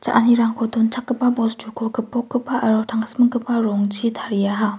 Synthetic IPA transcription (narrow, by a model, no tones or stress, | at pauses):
t͡ʃa̰ʔaniɾaŋkʰɔt̪unt͡ʃʰakːɯpːabɔstʰukʰokɯpːɔkːɯpːaʔaɾɔtʰaŋsmɯŋkɯpːaɾɔŋt͡ʃʰitʰaɾijaɦa